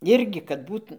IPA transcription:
ˈɪrʲɡʲɪ kɐt ˈbuːt

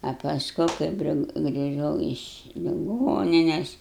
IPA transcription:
ɐ pɐsˈkʊ ˈkɐɪp ɡrʲɪ ɡrʲɪˈʒɐʊ ɪʃ lʲɪˈɡoːnʲɪnʲɛs

